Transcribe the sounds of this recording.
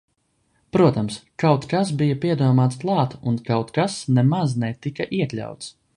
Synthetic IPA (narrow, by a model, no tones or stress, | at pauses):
pɾuɔt̪amskawt̪kasbijɐpiɛd̪uɔmaːt̪sklˠɑːt̪unkawt̪kasnɛmaznɛt̪ikaʔiɛk̪lʲa̰wt̪s